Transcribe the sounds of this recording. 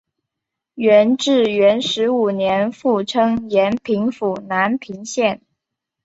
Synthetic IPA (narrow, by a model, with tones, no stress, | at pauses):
ɥɛ˧˥nʈ͡ʂɻ̩˥˩ɥɛ˧˥nʂɻ̩˧˥u˨˩njɛ˧˥nfu˥˩ʈ͡ʂʰɤ˥ŋjɛ˧˥npʰi˧˥ŋfu˨˩na˧˥npʰi˧˥ŋɕjɛ˥˩n